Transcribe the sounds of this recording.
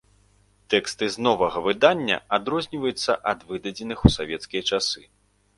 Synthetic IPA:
t̪ɛkst̪ɨznɔvɐɣɐvɨd̪anʲːɐ̰ad̪ɾɔzʲnʲivɐjut̪sːɐ̰ʔɐd̪vɨd̪ɐd͡zʲɛnɨxusavʲɛt̪skʲijɐt͡ʂasɨ

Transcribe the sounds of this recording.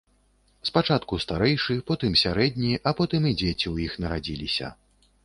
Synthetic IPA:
spat͡ʂat̪kust̪aɾɛjʂɨpɔt̪ɨmsʲaɾɛd̪̚ʲnʲiʔɐpɔt̪ɨmid͡zʲet͡sʲiwjixnɐɾad͡zʲilʲisʲɐ̰

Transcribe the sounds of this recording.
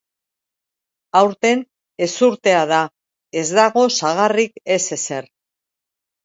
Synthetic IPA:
awɾt̪e̞n | e̞suɾt̪e̞aða | e̞zd̪aɣo̞saɣ̞arike̞se̞se̞r

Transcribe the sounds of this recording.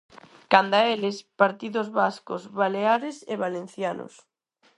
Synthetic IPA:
kand̪aelɪspaɾt̪iðʊzβaskozβaleaɾɪseβalen̟θjano̰s

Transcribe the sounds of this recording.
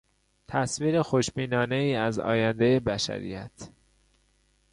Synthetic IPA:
t̪ʰæsviːɾexoʃbiːnɒːne̞iːæzɒ̰ːjænd̪ejebæʃæ̰ɾḭjæt̪ʰ

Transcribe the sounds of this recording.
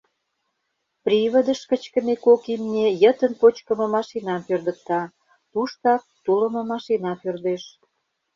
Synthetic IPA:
prʲiβə̆d̪əʃkət͡ɕkə̆mekokimnʲejət̪ənpot͡ɕkə̆mə̆mɑʃinɑmpørd̪ə̆k̚t̪ɑ | t̪uʃt̪ɑk̚t̪uləmə̆mɑʃinɑpørd̪eʃ

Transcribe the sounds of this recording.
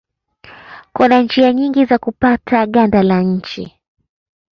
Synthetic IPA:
kunand͡ʒiaɲiŋɡizakupatʰaɠandalaɲ̩t͡ʃḭ

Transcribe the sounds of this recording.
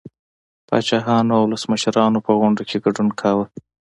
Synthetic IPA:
pɑ̰t͡ʃɑɦɑnoawʊləsməʃɾɑnopəɣʊɳɖakʰeɡaɖunkʰawə

